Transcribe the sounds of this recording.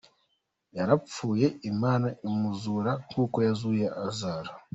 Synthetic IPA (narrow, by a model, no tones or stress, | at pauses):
jaɾap͡fuːje̞imaːnaʔimuzuɾaŋ̥kuːko̞jazujeʔazaːɾa